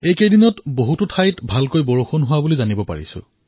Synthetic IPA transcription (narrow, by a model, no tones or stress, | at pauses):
ejkejdinɔtboɦututʰajtbʱalkojbɔɹoxʰonɦʊwabulizanibɔpa̰ɹḭsʊ̰